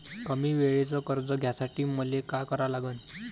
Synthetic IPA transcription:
əmiːʋeɭet͡sɔkəɾd͡zɔɡʱjasaʈiːməlekakəɾalaɡən

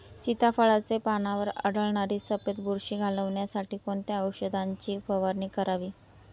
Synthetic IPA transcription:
sit̪afəɭat͡sepanaʋəɾə̰ɽəɭɳaɾiːsəpet̪buɾɕiːɡʱaləʋɳjasaʈiːkoɳt̪jaəwɕəd̪ʱaɲt͡ɕiːpəʋaɾɳiːkəɾaʋiː

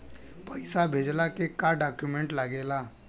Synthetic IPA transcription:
pəɪsabʱeːd͡ʒlakekaɖaːkjumẽɳʈləɡeːlaː

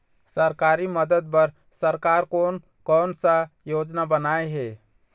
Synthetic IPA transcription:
səɾkaɾiməd̪əd̪̚bəɾ | səɾkaɾkon | kɔnsəjod͡ʒnabənaeɦe

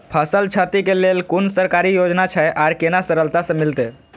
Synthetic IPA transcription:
pʰəsəlt͡ʃʰat̪ikelelkunsəɾkaɾijod͡ʒnat͡ʃʰajʔaɾkenasəɾəlt̪asə̃milt̪e

